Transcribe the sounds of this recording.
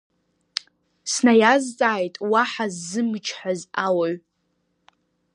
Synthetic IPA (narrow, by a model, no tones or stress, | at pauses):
snajazd͡zʼaːjtʼwaħazːɨmɨt͡ʃʰħazawaɥ